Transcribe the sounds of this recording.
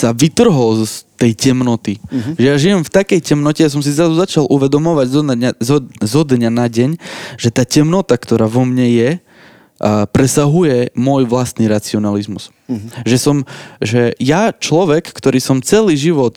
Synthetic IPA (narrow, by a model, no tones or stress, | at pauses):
saʋit̪r̩ɦɔlzt̪ɛjcɛmnɔt̪iʒɛjaʒijɛmft̪akɛjcɛmnɔcɛjas̬ɔms̬izɾazuzat͡ʃalʔuʋɛd̪ɔmɔʋaɟzzzɔd̪ɲanaɟɛɲʒ̥ɛt̪aːcɛmnɔt̪akt̪ɔɾaːʋɔmɲɛjɛ | pɾɛsaɦujɛmʊɔjʋlast̪niɾat͡siɔnalizmus | ʒɛsɔmʒɛjat͡ʃlɔʋɛkːt̪ɔɾiːsɔmt͡sɛliːʒiʋɔt̪